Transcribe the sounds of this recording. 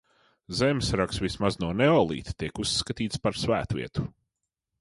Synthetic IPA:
zɛmsɾaksvismaznuɔnɛɔlˠḭːt̪t̪iɛkusːkat̪iːt̪spaɾsvæːt̪vʲḭɛt̪u̥

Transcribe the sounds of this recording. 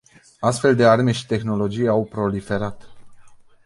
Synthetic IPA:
ast̪fe̞ld̪e̞arme̞ʃi̥t̪e̞xno̞lo̞d͡ʒijawpɾo̞life̞ɾat̪

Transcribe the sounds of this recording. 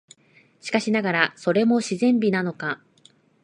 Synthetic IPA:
ɕi̥kaɕinaɡaɾaso̞ɾe̞mo̞ɕizẽ̞mbʲinano̞ka

